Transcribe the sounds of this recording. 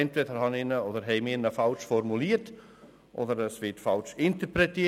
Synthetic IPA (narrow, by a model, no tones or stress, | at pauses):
ɛntvedəɾhɑnɪnəodəɾɦɛɪminəfɑlʃfɔrmuliːət | ʔo̰dəɾəsvɪtfɑlt͡ʃɪntəprɛtiə